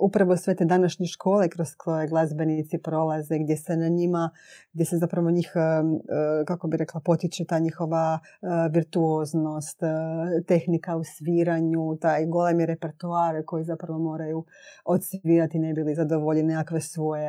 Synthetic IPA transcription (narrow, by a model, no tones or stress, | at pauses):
upɾaʋosʋe̞t̪ed̪anaʃɲeʃkʰo̞ːlekɾozkɾojeɡlˠazbe̞nit̪sipɾo̞lazeɡd̪je̞senaɲima | ɡd̪jesezapɾaʋo̞ɲiːx | kakobiɾe̞klˠapo̞t̪it͡ʃut̪aːɲixo̞ʋa | ʋiɾt̪uoːzno̞st̪t̪e̞xnikausʋiːɾaɲut̪aːjɡo̞lemiɾepe̞ɾt̪uaːɾko̞jizapɾaʋo̞mo̞ːɾaju | ot̪sʋʋiːɾat̪inebilizad̪oʋoʎenejakʋesʋoje